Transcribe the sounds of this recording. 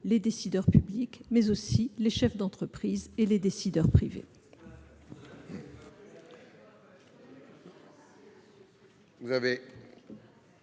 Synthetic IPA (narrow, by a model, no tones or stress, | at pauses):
led̪esid̪œʁpyblikmɛzosileʃɛfd̪ɑ̃t̪χəpχizeled̪esid̪œʁpχivḛ | vuzave